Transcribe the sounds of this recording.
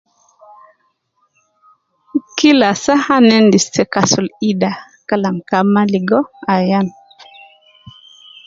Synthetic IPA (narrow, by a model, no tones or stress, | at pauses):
kilasahanɛndistɛkasuliɗa | kalamkamaliɡɔajan